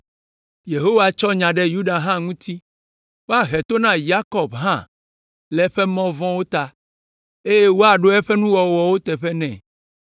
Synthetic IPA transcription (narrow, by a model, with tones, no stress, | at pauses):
je˨ɦo˦wa˨t͡ʃɔ˦ɲã˨ɖɛ˦ju˦ɖa˨ɦã˦ŋũ˦t̪i˦ | wo˦a˨ɦɛ˨t̪o˦nã˦ja˦kɔ˨bɦã̰˦˨ | lɛ˨ɸɛ˦mɔ̃˦vɔ̃˦wo˦t̪a˦ | e˦je˦wo˦a˨ɖo˦ɛ˦ɸɛ˦nũ˦wɔ˨wɔ˨wo˦t̪ɛ˨ɸɛ˦nɛ̰̃˨